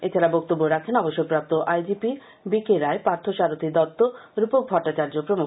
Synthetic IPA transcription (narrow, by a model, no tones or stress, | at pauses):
et͡ɕʰaɾabɔk̚t̪obːoɾakʰenɔboʃːopɾap̚t̪oʔajd͡ʑipi | bikeɾaepaɾt̪ʰoʃaɾot̪ʰid̪ɔt̪ːoɾupok̚bʱɔɾʈːat͡ɕaɾd͡ʑopɾomu